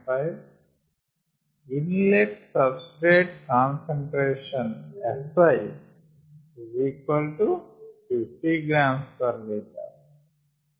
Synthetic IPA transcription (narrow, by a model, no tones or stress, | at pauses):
aj | inleʈsɐbsʈɾeːʈ̚kaːnseɳʈɾeːʃɐnɛsɐj | iziːkʋɐlʈufifʈiɡɾaːmspɐɾleːt̪a̰ː